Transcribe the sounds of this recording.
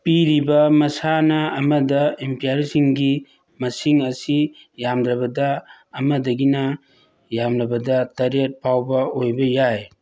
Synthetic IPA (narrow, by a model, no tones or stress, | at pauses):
piɾibɐmɐsanɐɐmɐdɐempaaɾsiŋɡi | mɐsiŋɐsi | jamdɾɐbɐdɐː | mɐdɐɡinɐ | jamɾɐbɐdɐtɐɾet̚pʰawbɐojbɐjaj